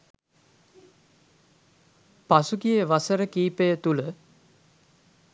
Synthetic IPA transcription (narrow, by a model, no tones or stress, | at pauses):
pasuɡijəʋasəɾəkiːpəjət̪ulə